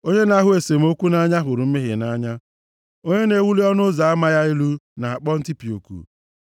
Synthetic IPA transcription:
o˦ɲe˦na˦ɦʊ˦e˨se˨m̩˨˦o˦kʷu˦na˦ɲa˦ɦʊ˨ɾʊ˨m̩˦me˦ɦɪ̰˨na˦ɲa˦ | o˦ɲe˦ne˨wu˦li˦ɔ˦nʊ˦za˨a˦ma˦ja˦i˦lu˦na˨a˨k͡pɔ˦n̩˦ti˦pi˨o̰˨kṵ˨

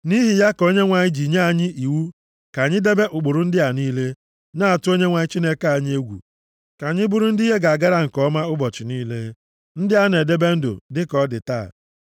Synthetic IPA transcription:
ni˦ɦi˨ja˦ko˦ɲe˦ŋʷa˨ɲɪ˦d͡ʒi˨ɲe˦a˨ɲɪ˦i˨wu˦ | ka˨ɲɪ˦de˦be˦ʔʊ˨ɡ͡bʊ˨ɾʊ˨n̩˦dɪ˦a˨niː˦le˦ | na˦˨a˨tʊ˦o˦ɲe˦ŋʷa˨ɲɪ˦t͡ʃi˦ne˦ka˨ɲ˦e˦ɡʷṵ˨ | ka˨ɲɪ˦bʊ˦ɾʊ˦n̩˦di˦ɦe˦ɡa˨a˨ɡa˦ɾa˦ŋ̩˨kɔ˦ma˦ʊ˦bɔ˨t͡ʃɪ˨niː˦le˦ | n̩˦dɪ˦a˦ne˨de˦be˦n̩˦dʊ̰˨dɪ˦kɔ˦dɪ̰˨ta̰ː˦˨

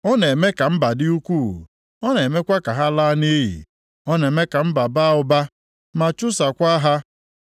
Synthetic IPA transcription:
ɔ˦ne˨e˨me˦ka˨m̩˦ba˨dɪ˦u˦kʷuː˦˨ | ɔ˦ne˨me˦kʷa˦ka˨ɦa˦la˦ne˦ɦḭ˨ | ɔ˦ne˨me˦ka˨m̩˦ba˨ba˦˨ʊ˨ba˦ | ma˨t͡ʃʊ˦sa˨kʷa˦ɦa˦

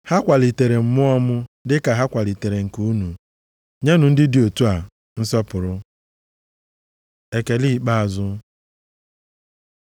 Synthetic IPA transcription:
ha˦kʷa˨li˨te˨ɾe˨m̩˨mʊ˦ɔ˦mʊ˦dɪ˦ka˨ɦa˦kʷa˨li˨te˨ɾe˨ŋ̩˨ku˨˦nu˨ | ɲe˦nʊ˨n̩˦dɪ˦di˨o˨tu˦a˨ | n̩˦sɔ˦pʊ˨ɾʊ˦ | e˨ke˨li˦˨k͡pa˦a˨zʊ˦

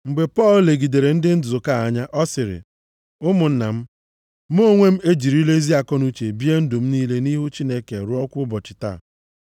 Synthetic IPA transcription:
ŋ͡m̩˨ɡ͡be˨pɔ˦˨lle˨ɡi˨de˨ɾe˨n̩˦dɪ˦n̩˦dʊ˨zʊ˨ka˦˨a˨˦ɲa˦ʔɔ˦sɪ˨ɾɪ̰˨ | ʊ˦mʊ˨n̩˦na̰˨m̩˦ | m˦o˦ŋʷe˦m̩˦e˦d͡ʒi˨ɾi˦le˦zi˦a˨kɔ˦nu˦t͡ʃe˨bi˦e˦n̩˦dʊ˨m̩˦niː˦le˦ni˦ɦu˦t͡ʃi˦ne˦ke˨ɾʊ˦ɔ˦kʷʊ˦bɔ˨t͡ʃɪ̥˨ta̰˦˨

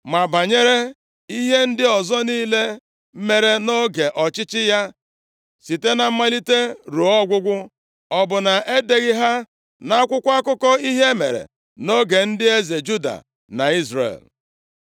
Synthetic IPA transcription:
ma˨ba˨ɲe˦ɾe˦ | i˦ɦe˦n̩˦dɪ˦ɔ˨zɔ˦niː˦le˦ | me˨ɾe˨no˦ɡe˨ʔɔ˨t͡ʃɪ˦t͡ʃɪ˦ja˦ | si˨te˦na˨m̩˦ma˦li˦te˦ɾu˨ɔ˦ɡʷʊ˦ɡʷʊ˦ | ɔ˨bʊ˨na˨ʔe˦de˨ɣɪ˦ɦa˦ | na˦kʷʊ˦kʷa˦kʊ˦kɔ˦i˦ɦe˦mḛ˨ɾḛ˨ | no˦ɡe˨n̩˦dɪ˦e˦ze˨d͡ʒu˦da̰˨ | na̰˨i˦zrḛ˨l

